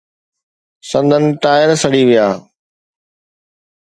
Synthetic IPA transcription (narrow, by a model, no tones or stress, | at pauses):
sɐ̃nd̪ʱənɪ̆ʈ̪aːɪɾsɐɽiʋijaː